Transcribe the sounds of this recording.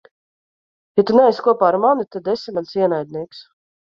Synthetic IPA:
jat̪unɛɛjskuɔpaːɾmanut̪ad̪esimansiɛnajd̪̚ʲniɛks

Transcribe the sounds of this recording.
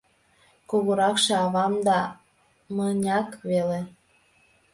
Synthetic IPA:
kuɣoɾɑkʃĕɑβɑmd̪ɑ | mənʲɑkβele

